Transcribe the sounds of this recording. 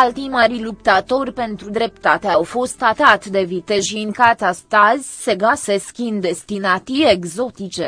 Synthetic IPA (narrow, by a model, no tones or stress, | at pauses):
alt̪imaɾilupt̪at̪o̞rʲpe̞nt̪ɾud̪ɾe̞p̚t̪at̪eawfo̞st̪at̪at̪d̪e̞vit̪e̞ʒiŋkat̪ast̪azʲse̞ɡase̞skʲind̪d̪est̪inat̪ijeɡzo̞t̪it͡ʃe̞